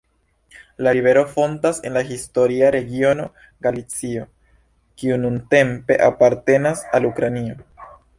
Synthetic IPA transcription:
laɾiβe̞ɾo̞fo̞ntase̞̰nlaɦisto̞ɾiaɾe̞ɡio̞no̞ | ɡalit͡sio̞ | kiununte̞mpe̞̰ʔapaɾte̞nasalukɾanio̞

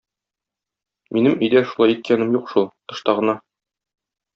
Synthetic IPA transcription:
minɘmɵ̆jd̪æʃulˠɑjit̪̚kʰænɘmjuqʃulˠt̪ɤ̆ʃt̪ɑʁɤ̆nɑ

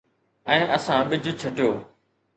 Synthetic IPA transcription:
ɛ̃ːʔəsãːɓɪd͡ʑʱʊt͡ɕʰɐʈjoː

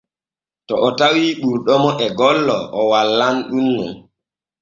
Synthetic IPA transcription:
tɔʔɔtawiɗuɾɗɔmɔʔɛɡɔlːɔʔɔwalːanɗunːṵm

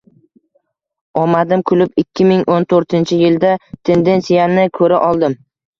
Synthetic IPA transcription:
ɒmad̪ɪmkʰʊlɪpɪkʲːɪmɪŋont̪ʰoɾt̪ʰɪnt͡ʃʰɪjɪld̪at̪ʰe̞nd̪e̞nsijanɪkʰɵɾaʔɒlˠd̪ɪm

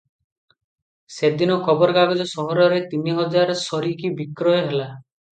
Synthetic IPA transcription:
sed̪inɔkʰɔbɔɾɔɡaɡɔd͡ʒɔsɔɦɔɾɔɾet̪iniɦɔd͡ʒaɾɔsɔɾikibikɾɔjɔɦela

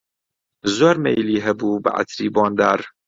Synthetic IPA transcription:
zoːɾmḛjliːɦɛbuːbə̰ʔa̰t̪ʰɾiːbɑːnd̪æːɾ

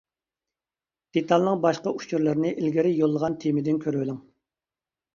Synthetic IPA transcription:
d̪̥et̪ʰɑlˠnɨŋbɑʃqɑut͡ʃʰuɾlˠɨɾnɨʔilɡʲiɾɪjolˠːəʁɑnt̪ʰemɪd̪ɪnkʲʰøɾwɪlɪŋ

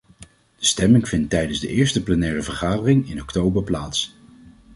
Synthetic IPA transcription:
d̥əstɛmɪŋvɪntːɛjdənzdəʔɪːɹstəplənɛːrəvəɹχaːdərɪŋɪnɔktowbəɹplaːts

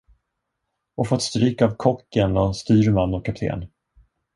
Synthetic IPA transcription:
ʔɔfɔt̪st̪ɾyːkavkʰɔkjɛnlanst̪yːɾmanːɔkʰːap̚t̪ʰḛːn

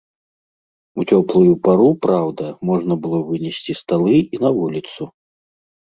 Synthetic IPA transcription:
ut͡sʲɔplˠujupaɾupɾawd̪ɐmɔʐnɐbɨlˠɔvɨnʲɛsʲt͡sʲist̪alˠɨinɐvulʲit̪su

